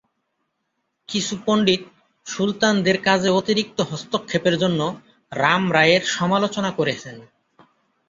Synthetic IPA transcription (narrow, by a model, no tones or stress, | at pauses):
kit͡ɕʰupoɳɖit̪̚ | ʃult̪and̪eɾkad͡ʑʱeot̪iɾik̚t̪oɦɔst̪okʰːepeɾd͡ʑonːo | ɾamɾaeɾʃɔmalot͡ɕonakoɾet͡ɕʰen